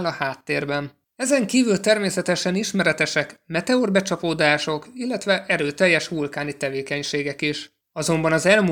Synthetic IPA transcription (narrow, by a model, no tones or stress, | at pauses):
lɒhaːt̪ːeːrbɛn | ɛzɛŋkiːvylt̪ɛrmeːsɛt̪ɛʃɛniʃmɛɾɛt̪ɛʃɛkmɛt̪ɛorbɛt͡ʃɒpoːd̪aːʃo̞kilːɛt̪ʋɛʔɛɾøːt̪ɛjːɛʃʋulkaːnit̪ɛveːkɛɲʃeːɡɛkiʃ | ɒzo̞mbɒnɒzɛlmu